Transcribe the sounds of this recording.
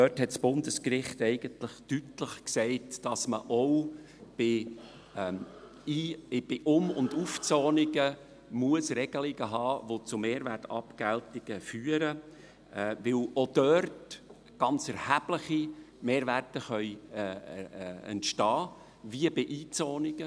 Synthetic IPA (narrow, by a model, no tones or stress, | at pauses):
œthɛtsb̥ʊndəskrɪχtɛɪɡ̥əntləχtytləχksɛɪtd̥ɑsmə̰ʔɔw | b̥ɪ | iːb̥ɪʔʊmʊ̰nduft͡sɔːnɪɡə | muəsrɛɡ̥əlɪɡəɦɑːʋot͡sʊmeːɾværtɑpɡ̥æltɪɡ̥əfyːəɾə | vɪlod̥œrt | ɡ̥ɑnt͡sɛɾhæb̥ləχimeːɾværtəχœʏ | ɛ̰ntʃtɑː | viəbɪʔiːt͡sɔːnɪɡ̥ə